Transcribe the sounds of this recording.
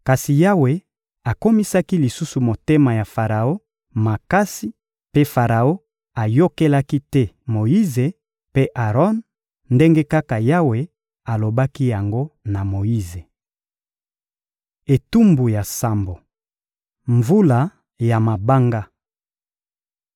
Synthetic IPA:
ka˨si˨ja˦we˨ | a˨ko˦mi˦sa˦ki˦li˨su˦su˨mo˨te˦ma˨ja˨fa˨ʁa˨o˦ | ma˨ka˦si˦ | pe˦fa˨ʁa˨o˦ | a˨jo˦ke˦la˦ki˦tɛ˦mo˨ji˦ze˨ | pe˦ʔa˨ʁɔ˦n | nde˦ŋɡe˦ka˦ka˨ja˦we˨ | a˨lo˨ba˦ki˦ja˨ŋɡo˦na˨mo˨ji˦ze˨ | e˨tu˦mbu˨ja˨sa˨mbo˨ | ɱvu˦la˨ | ja˨ma˨ba˦ŋɡa˦

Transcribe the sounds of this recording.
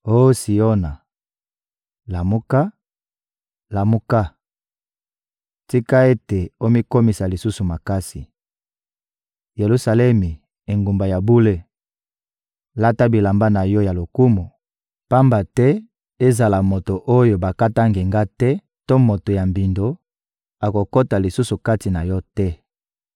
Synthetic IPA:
o˦si˨o˦na˨ | la˨mu˦ka˦ | la˨mu˦ka˦ | ti˦ka˦e˦te˨o˦mi˦ko˦mi˨sa˨li˨su˦su˨ma˨ka˦si˨ | je˨lu˦sa˨lɛ˦mi˨ | e˨ŋɡu˨mba˨ja˨bu˦le˦ | la˦ta˦bi˨la˨mba˦na˨jɔ˦ja˨lo˨ku˦mu˨ | pa˦mba˨tɛ˦ | e˦za˨la˨mo˨to˨ʔo˦jo˨ba˨ka˦ta˦ŋɡe˨ŋɡa˦tɛ˦ | to˦mo˨to˨ja˨mbi˨ndo˨˦ | a˨ko˨ko˦ta˨li˨su˦su˨ka˦ti˨na˨jɔ˦tɛ˦

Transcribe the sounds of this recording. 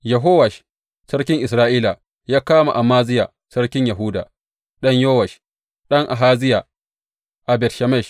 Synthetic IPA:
jɐ˨ɦoː˦wɐ˨ʃ | sɐ˦rkʲɪ˦ŋʔɪ˨s̬ɾaː˦ʔiː˦la˨ | jaː˦kaː˦ma̰˨ʔa˨maː˦zɪ˦ja̰˨ | sɐ˦ɽkʲɪ˦ɲjɐ˨ɦu˦da̰˨ | ɗɐ˦ɲjoː˦wɐ˨ʃ | ɗɐ˦ŋʔa˨ɦaː˦zɪ˦ja˨ | ʔa˨bɛ˨tʃɐ˨mɛ˦˨ʃ

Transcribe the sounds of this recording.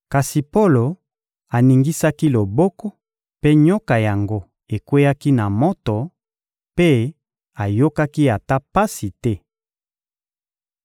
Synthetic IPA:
ka˨si˨po˦lo˨ | a˨ni˨ŋɡi˦sa˦ki˦lo˨bɔ˦kɔ˦ | pe˦ɲo˦ka˨ja˨ŋɡo˦ | e˨kwe˦ja˦ki˦na˨mo˦to˨ | pe˦ | a˨jo˦ka˦ki˦a˨ta˦pa˦si˨tɛ˦

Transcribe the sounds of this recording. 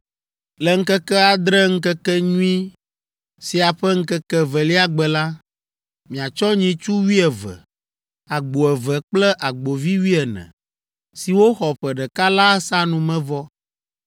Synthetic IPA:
lɛ˨ŋ̩˦kɛ˦kɛ˦a˨d̪ɾɛ˦ŋ̩˦kɛ˦kɛ˦ɲũ˦i˦ | si˨a˨ɸɛ˦ŋ̩˦kɛ˦kɛ˦vɛ˨li˦a˨ɡ͡bɛ˨la˦ | mĩ˨a˨t͡ʃɔ˦ɲĩ˨t͡ʃu˦wi˦ɛ˨vɛ̰˨ | a˨ɡ͡bo˨ɛ˨vɛ˨k͡plɛ˦ʔa˨ɡ͡bo˨vi˦wi˦ɛ˨nɛ̰̃˨ | si˨wo˦xɔ˨ɸɛ˨ɖɛ˨ka˦la˦sa˦nũ˨mɛ̃˦vɔ˦

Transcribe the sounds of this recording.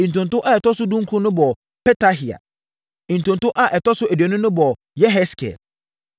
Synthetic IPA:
ĩ˨n̩˨tʊ̃˨ntʊ̃˦ʔa˦ɛ˨tɔ˦sʊ˦dũ˦ŋ̩˦kʰʊ̃˦nʊ̃˦bɔ˨ | pʰɛ˦tʰa˦ɦi˨a̰˨ | ĩ˨n̩˨tʊ̃˨ntʊ̃˦ʔa˦ʔɛ˨tɔ˦sʊ˦æ˨dɥɛ˨nʊ̃˦nʊ̃˦bɔ˨ | jɛ˦ɦɛ˦skʰɛ̰˨l

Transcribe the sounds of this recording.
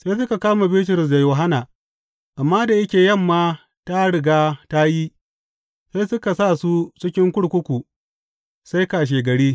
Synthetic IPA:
sa˦jsʊ˦ka˨kaː˦ma˨bɪ˦t̬ʊ˨ɾʊ˨s̬da˨joː˨ɦa˦naː˨ | ʔa˨mːaː˦da˨jɐ˦kʲeː˨jɐ˦˨mːaː˦ | ta˦ɽɪ˨ɡaː˦ta˦ji˦ | sa˦sʊ˦ka˨sa˦˨su˦t͡ʃɪ˦kʲɪ˦ŋkʷʊ˦ɽkʷʊ˦kʷu˨ | sa˦jkaː˨ʃ̬eː˨ɡɐ˨ɽiː˦

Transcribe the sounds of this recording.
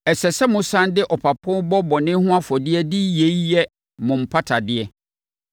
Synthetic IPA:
ɛ˨sɛ˨sɛ˦mʊ̃˨sã˦ndɪ˦ʔɔ˨pʰa˨pʰʊ̃˦bɔ˦bɔ˨nɪ̃˦hʊ̃˦a˦fɔ˨dɪ˦ɛ˦dɪ˦je˨˦jɛ˦ | mʊ̃˨m̩˨pʰa˦tʰa˨dɪ˦ɛ˦

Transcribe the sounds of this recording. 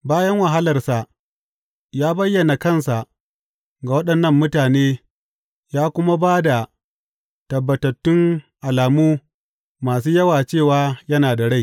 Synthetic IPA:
baː˦jɐ˦ŋwɐ˨ɦa˦lɐ˨rsa˨ʔ | jaː˦bɐ˦jːɐ˨na˨kɐ˦nsa˨ʔ | ɡa˨wɐ˦ɗɐ˨nːɐ˦mːʊ˦taː˨neː˦ | jaː˦kʷʊ˦ma˦baː˦da˨ | tɐ˨bːɐ˨tɐ˨tːʊ˦ŋʔa˨laː˨muː˦ | maː˨s̬uː˦jɐ˦waː˨t͡ʃeː˦˨waː˦jɐ˦naː˨da˨ɽa˦˨j

